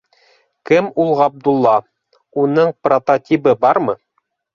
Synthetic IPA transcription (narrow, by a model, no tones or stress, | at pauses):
kɘmulˠʁɑb̚d̪ulˠːɑ | unɤɴprot̪ot̪ʲibɤbɑɾmɤ